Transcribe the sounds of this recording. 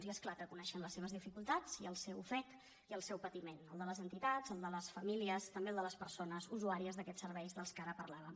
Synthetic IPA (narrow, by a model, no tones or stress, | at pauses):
ziəsklakəkunɛʃənləsːeβəzðifikulˠt̪at͡siəlˠsɛwfɛt̪ | iəlˠsɛwpət̪imenəlˠd̪ələzənt̪it̪azəlˠd̪ələsfəmiliəst̪əmbeəlˠd̪ələspəɾsonəzuzuaɾiəzðəkɛsəɾβɛjzðəlˠskaɾəpərlaβə